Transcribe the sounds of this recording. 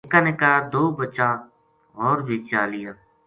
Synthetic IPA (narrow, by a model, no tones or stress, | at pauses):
ekaːneːkɐɦaːd̪oːbətːʃaː | ɦɔːɾbeːt͡ʃaːlɪjaː